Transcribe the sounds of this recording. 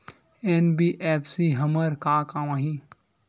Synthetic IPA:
eːnbiːʔɛːpʰsiɦɐməɾkaːkaːwãːɦĩ

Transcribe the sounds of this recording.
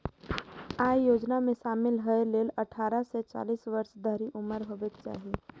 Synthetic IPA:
aːjjoːd͡ʒnamẽʃaːmɪlɦəeleːlɐʈʰaːɾaset͡ʃa̰ːliːsʋəɾʃd̪ʱəɾiʔʊməɾɦoːʋet͡ʃa̰ːɦie

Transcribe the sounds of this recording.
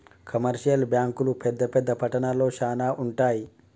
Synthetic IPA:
kʰəməɾɕijəlbjaŋklupʰed̪əpʰed̪ːəpʰəʈənaloɕanaʔuɳʈaj

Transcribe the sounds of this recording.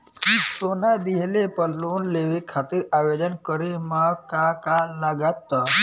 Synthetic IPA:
soːnad̪iɦelepəlluːnleʋekʰaːt̪iɾaʋed͡ʒ̪ənkəɾemakakaləɡət̪ːɔ

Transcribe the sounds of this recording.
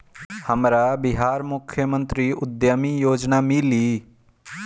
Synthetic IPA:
həmɾabɪɦaːɾmʊkʰjəmə̃nt̪ɾiʊd̪jamijoːd͡ʒnamɪliː

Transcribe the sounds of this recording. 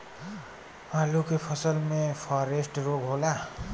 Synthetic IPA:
alukepʰʌsʌlmepʰʌɾesʈroɡɦola

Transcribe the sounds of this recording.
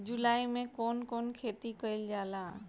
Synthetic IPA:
d͡ʒʊlaːimẽkoːnkoːnkʰeːt̪ikəɪld͡ʒaːlaː

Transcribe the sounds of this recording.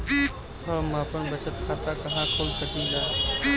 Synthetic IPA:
bi | ɦəmapənbət͡ʃət̪kʰat̪akɐɦãkʰoːlsəkiːɡaːi

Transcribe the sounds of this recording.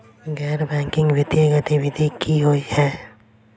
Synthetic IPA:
ɡɛːɾbɛ̃ːŋkɪ̃ŋɡwɪt̪jəɡət̪iʋɪd̪ʱikʰiɦoihɛː

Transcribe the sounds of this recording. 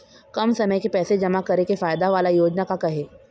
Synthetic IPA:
kɐmsɐməjkepɛːsed͡ʒɐmakɐɾekefaːjd̪aʋaːlajoːd͡ʒnakakɐɦeː

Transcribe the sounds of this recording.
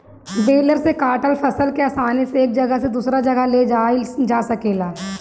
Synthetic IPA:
beːləɾsekaːʈəlpʰɐsəlkeaːsaːneseeːk̚d͡ʒɐɡəɦsed̪uːsɾad͡ʒɐɡəled͡ʒad͡ʒaːsɐkeːlaː

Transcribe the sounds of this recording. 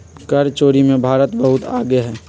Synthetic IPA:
kɐɾt͡ʃoːɾimẽbʱaːɾət̪bɐɦʊt̪a̰ːɡeɦɛː

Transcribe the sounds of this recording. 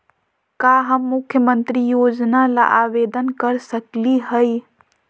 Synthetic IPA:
kaɦəmːukʰjəmənt̪ɾijod͡ʒnala̰ʔabed̪ənkəɾsəkliɦəj

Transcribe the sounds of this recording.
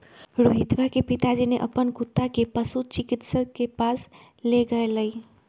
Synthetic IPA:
ɾoɦid̪ʋakepit̪ad͡ʒineʔəpənkʊt̪ːakepəsut͡ʃikit̪sət̪̚kepas | leɡəeləi

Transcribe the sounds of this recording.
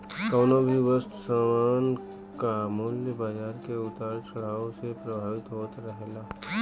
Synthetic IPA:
kaːnobʱiʋəst̪saːmaːn | kamoːljəbaːd͡ʒaːɾkeʊt̪aːɾt͡ʃɐɽ̤aːõsepɾɐbʱaːʋɪt̪ɦoːt̪ɾəɦelaː

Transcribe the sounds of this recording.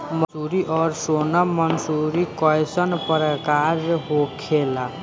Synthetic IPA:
msuɾiʔɔːɾsoːnamənsuɾikɔjsənpɾəkaːɾɦokʰela

